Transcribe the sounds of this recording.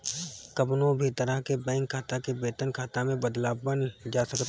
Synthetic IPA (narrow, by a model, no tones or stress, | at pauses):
kɐpnõbʱit̪əɾaɦkebɛ̃ːŋkʰːaːt̪akebeːt̪ənkʰaːt̪amẽbɐd̪laːbbənd͡ʒaːsɐkt̪